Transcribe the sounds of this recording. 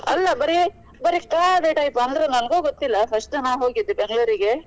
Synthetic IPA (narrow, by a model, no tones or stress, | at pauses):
ɐ̰lːɐbɐɾi | bɐɾikaːd̪eʈɐjpɐnd̪ɾenɐnɡuːɡot̪ːilːɐpʰɐsʈnaːɦoːɡid̪ːubeŋɡɭuɾiɡe̞